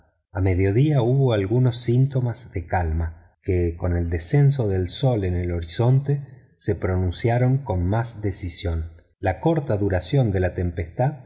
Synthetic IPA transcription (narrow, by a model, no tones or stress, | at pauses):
ameðjo̞ðiauβoalɣuno̞sːint̪o̞mazðekalma | keko̞ne̞ld̪esens̬o̞ðe̞lso̞le̞ne̞lo̞ɾiso̞nt̪e | sepɾo̞nũnsjaɾo̞ŋko̞nmazd̪esisjon | lako̞ɾt̪aðuɾasjo̞nd̪e̞lat̪e̞mpest̪að